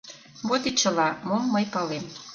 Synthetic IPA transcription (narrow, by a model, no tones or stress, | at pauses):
βot̪it͡ɕə̆lɑmomːəjpɑlem